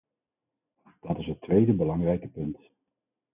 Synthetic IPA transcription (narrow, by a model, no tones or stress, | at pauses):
d̥ɑtɪsɦətːʋejdəbəlɑŋrɛjkəpɵnt